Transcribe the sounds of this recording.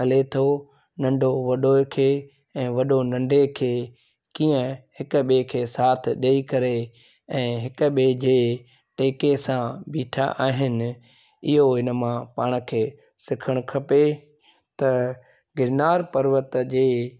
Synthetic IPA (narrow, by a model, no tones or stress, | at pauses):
ɦɐlet̪ʰo | nɐ̃ɳɖʱoʋɐɗoːkʰeː | ɛ̃ːʋɐɗonɐ̃ɳɖekʰeː | kĩːə̃hɪkʊ̆ɓekʰeːsaːt̪ʰɗeikɐɾe | ɛ̃ːɦɪkəɓed͡ʑeː | ʈeːkesãbiːʈʰa̰ʔaːɦɪnɪ̆ | ɪɦoɦɪnə̆mãpaːɽ̃kʰeː | sɪkʰəɽ̃kʰɐpe | t̪ɐ | ɡɪɾnaːɾpɐɾʋət̪d͡ʑeː